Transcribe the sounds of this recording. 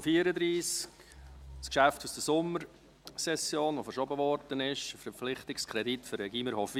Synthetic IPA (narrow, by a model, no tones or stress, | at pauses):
fiːəɾədɾiːsk | skʃæftusd̥əsʊməɾ | sɛsjoːnʋofəɾʃɔbəʋɔɾd̥ənɪʃfəflɪχtɪkskʰɾɛditfʏɾɛɡiːməɾhɔf